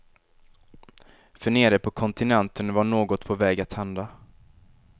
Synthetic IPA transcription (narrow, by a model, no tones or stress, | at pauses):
fœɳeːɾəpʰɔkʰɔnt̪ɪnɛnt̪ʰənvaɳoːɡɔt̪pʰɔvɛːɡat̪hand̪a